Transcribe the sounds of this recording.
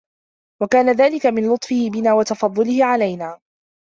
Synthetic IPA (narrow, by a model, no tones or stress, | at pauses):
wakaːnaðaːlɪkamɪnlʊt̪ˤfɪhɪbɪnaːwɑt̪ɑfɑðˤːʊlɪhɪʕalajnaː